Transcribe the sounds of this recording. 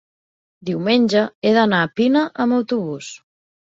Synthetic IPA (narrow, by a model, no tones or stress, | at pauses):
d̪iwmeɲʲd͡ʒaeðanapinaʔamawt̪uβus